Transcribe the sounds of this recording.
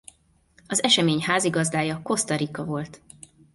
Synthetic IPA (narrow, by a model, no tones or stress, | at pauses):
ɒzɛʃɛmeːɲɦaːziɡɒzd̪aːjɒko̞st̪ɒɾikɒvo̞lt̪